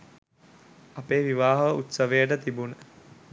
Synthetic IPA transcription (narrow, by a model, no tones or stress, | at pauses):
apeːʋiʋaːɦɐʋəut̪səʋejəʈət̪ibunə